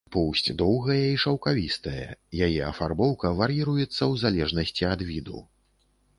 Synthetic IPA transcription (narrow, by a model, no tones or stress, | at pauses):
pɔwsʲt͡sʲd̪ɔwɣɐjɛiʂɐwkavʲist̪ɐjɐ̰jajɛɐfarbɔwkɐvɐɾjiɾujɛt̪sːɐwzalʲɛʐnɐsʲt͡sʲiɐd̪vʲid̪ṵ